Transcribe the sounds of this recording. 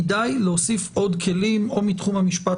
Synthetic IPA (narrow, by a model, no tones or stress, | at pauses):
dajleosifʔo̞dkʰe̞limo̞mitχumhamiʃpa